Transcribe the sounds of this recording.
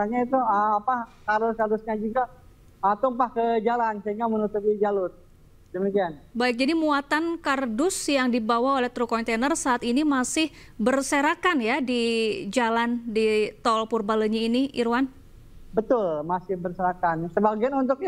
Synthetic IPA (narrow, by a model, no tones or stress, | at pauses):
aɲait̪uəmapakardʊskardʊsɲad͡ʒuɡa | at̪ʊmpahkəd͡ʒalansəiŋɡamənut̪ʊp̚id͡ʒalʊt̪̚ | dəmikianbaɪk̚d͡ʒadimuat̪ankardʊsjaŋdibawaolɛht̪ɾukɔnt̪enərsaːt̪inimasɪh | bərsəɾakanjadid͡ʒalandit̪ɔlpurbaləɲiiniʔḭɾuwan | bət̪ʊlmasɪhbərsəɾakansəbaɡianunt̪ʊk̚a